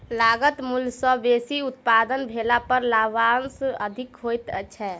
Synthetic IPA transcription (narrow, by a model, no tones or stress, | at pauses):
laɡət̪mulsə̃besiut̪̚pad̪ənbʱelapəɾlaʋansəd̪ʱikɦojt̪əːʃʰɛ